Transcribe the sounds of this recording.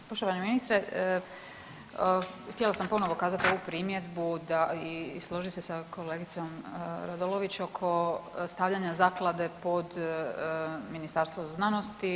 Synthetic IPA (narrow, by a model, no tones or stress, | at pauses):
poʃt̪oʋaneminist̪ɾe | xt̪ielˠasampo̞noʋokaːzat̪io̞ʋupɾiːmje̞d̪bud̪aislˠo̞ʒisesakʰo̞leːɡit̪so̞mɾad̪olo̞ʋit͡ɕo̞kʰo̞st̪aʋʎaɲazaːklˠad̪e̞po̞d̪ | minist̪aɾst̪ʋoznano̞st̪i